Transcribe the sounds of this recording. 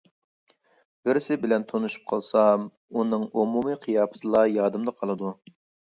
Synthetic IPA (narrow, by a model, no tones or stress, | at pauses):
b̥ɪɾsɪbɪlɛnt̪ʰonuʃu̥p̚qʰɑlˠsɑm | unɨŋumumɨqʰijɑːpʰɨ̥t̪ɨlˠɑjɑːd̪ɨmd̪ɑqʰɑlˠɨd̪u